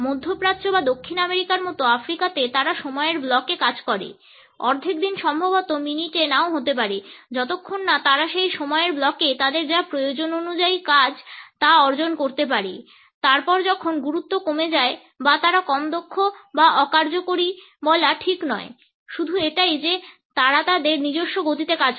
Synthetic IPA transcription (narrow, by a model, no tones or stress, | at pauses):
mod̪ʱːopɾat̪ːɕobad̪okʰːinameɾikaɾmɔt̪oafɾikat̪et̪aɾaʃɔmɔeeɾblɔkekad͡ʑkɔɾḛ | ɔ̰ɾd̪ʱik̚d̪inʃɔmbʱobot̪ominiʈenaoɦot̪ep̬aɾed͡ʑɔt̪okʰːonːat̪aɾaʃejʃɔmɔeeɾblɔket̪ad̪eɾd͡ʑapɾojod͡ʑononud͡ʑaikad͡ʑt̪aɔɾd͡ʑonkoɾt̪ep̬aɾe | t̪aɾpɔɾd͡ʑɔkʰonɡuɾut̪ːokomed͡ʑae | bat̪aɾakɔmd̪okʰːobaʔɔkaɾd͡ʑokoɾi | bɔlaʈʰiknɔe | ʃud̪ʱueʈajd͡ʑe | t̪aɾat̪ad̪eɾnid͡ʑoʃːoɡot̪it̪ekad͡ʑ